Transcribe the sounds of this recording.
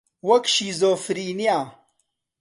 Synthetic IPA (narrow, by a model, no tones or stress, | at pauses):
wɐkɕiːzoːfɾiːnijaː